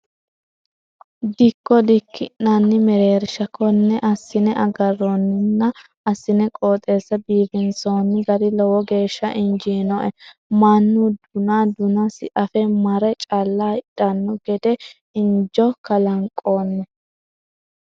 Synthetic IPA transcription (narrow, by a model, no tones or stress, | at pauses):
d̪ɪkːɔd̪ɪkʰːɪnnanːɪmɛɾe̞ːɾɪʃɐkʰɔnːɛʔɐsːɪnɛʔɐɡɐrːɔnːɪnːɐ | ɐsːɪnɛkʼoːt̪ʼe̞ːsːɐbiːbɪnsoːnːɪɡɐd̪ɪlɔwɔɡe̞ːʃːɐʔɪnd͡ʒiːnɔʔɛmanːud̪ʊnaːd̪ʊnɐsɪʔɐfɛmɐɾɛt͡ʃʼalːaːɪᶑɐnːɔɡɛd̪ɛ | ɪnd͡ʒɔkɐlɐŋkʼoːnːɛ